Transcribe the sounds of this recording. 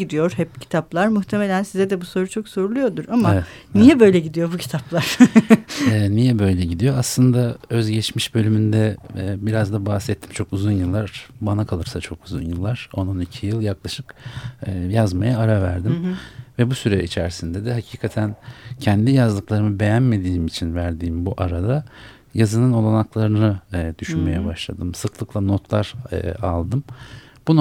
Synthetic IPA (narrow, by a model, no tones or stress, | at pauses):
id̪ijo̞ɾ̥hɛp̚cʰi̥t̪ʰaplˠaɾmuxt̪ʰe̞me̞lʲænsizɛd̪ɛbuso̞ɾut͡ʃʰo̞kso̞ɾulˠujo̞d̪uɾamaɛniijɛbø̞jlʲɛɟid̪ijo̞bucʰi̥t̪ʰaplˠaɾ̥ | ɛːnijɛbø̞jlʲɛɟid̪ijo̞aslˠɯnd̪aø̞zɟɛt͡ʃmiʃbø̞lʲymynd̪ɛbiɾazd̪abahsɛt̪ʰːi̥mt͡ʃʰo̞kuzunjɯlˠːaɾbanakʰalˠɯɾsat͡ʃʰo̞kuzṵnjɯlˠːaɾ̥o̞no̞nicʰijɯlˠjaklˠaʃɯkː | jazmajaːɾavæɾd̪imvɛbusyɾɛit͡ʃʰæɾsind̪ɛd̪ɛɦacʰiːkʰat̪ʰæncʰɛnd̪ijazd̪ɯklˠaɾɯmɯbe̞jænme̞d̪iːmit͡ʃʰinvæɾd̪iːmbuʔaɾad̪a | jazɯnɯno̞lˠanaklˠaɾɯnɯd̪̥yʃynme̞jɛbaʃlˠa̰d̪ɯmsɯklˠɯklˠano̞t̪ʰlˠaɾ̰a̰lˠd̪ɯm | b̥un